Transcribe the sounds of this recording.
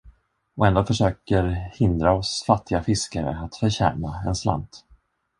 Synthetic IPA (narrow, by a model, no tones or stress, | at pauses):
ɔɛnd̪oːfœʂøːkəɾhɪnd̪ɾaɔsfat̪ʰːɪɡafɪskaɾə̰at̪fœɾɕæ̰ːnaɛnsla̰nt̪